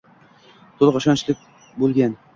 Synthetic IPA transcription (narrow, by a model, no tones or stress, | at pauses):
t̪ʰolˠʁɑʃɒnt͡ʃlɪk̚ʲ | bolˠɡʲan